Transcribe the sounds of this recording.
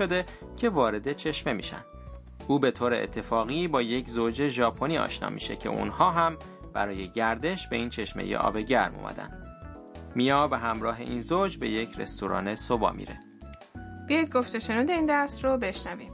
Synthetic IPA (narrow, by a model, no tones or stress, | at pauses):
od̪e̞cʰe̞vɒːɾe̞d̪e̞t͡ʃʰe̞ʃme̞mḭːʃæ̰nd̪ | ʔuːbe̞t̪ʰoːɾeḛt̪ʰːe̞fɒːɣiːbɒːje̞cʰzod͡ʒe̞ʒɒːpʰo̞niːɒ̰ːʃnɒ̰ːmḭʃe̞̰cʰe̞̰ʔṵnhɒːɦæm | b̥æɾɒːje̞ɟæɾd̪e̞ʃbe̞iːnt͡ʃʰe̞ʃme̞̰jḛʔɒ̰ːbe̞ɟæɾmo̰mæ̰d̪æ̰nd̪̥ | mijɒːbe̞ɦæmɾɒːɦe̞̰ʔiːnzod͡ʒbe̞̰je̞cʰɾe̞̰st̪oɾɒ̰ːne̞sobɒ̰ːmḭːɾe̞̰ | b̥ijɒjd̪̚ɡoft̪eʃe̞nuːd̪eiːnd̪æɾsrobe̞ʃnæviːm